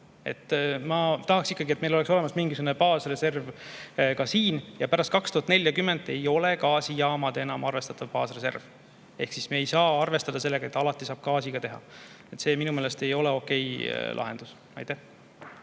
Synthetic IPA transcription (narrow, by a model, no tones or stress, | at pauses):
e̞̰t̪ːmɑt̪ɑɦɑksikːɑɡiet̪me̞jlo̞lekso̞le̞mɑsmiŋɡisuɡunepɑːsre̞se̞rvkɑsiːnjɑpæɾɑst̪̚kɑkst̪uhɑt̪ne̞lʲːjɑkymːe̞nd̪e̞jo̞le̞kɑːsijɑːmɑd̪̥e̞nɑmɑrve̞st̪ɑt̪ːˑɑvpɑːsre̞se̞̰rv | e̞̰hksismeejsɑːɑrve̞st̪ɑd̪̥ɑse̞lːe̞ɡ̥ɑet̪ːˑɑlɑt̪ːˑisɑːb̥̚kɑːsiɡ̥ɑt̪e̞ɦɑ̰ | e̞t̪se̞ːminumeːlest̪e̞jo̞leo̞ke̞jlʔɑ̰ɦe̞nd̪̥us | ɑ̰jt̪æh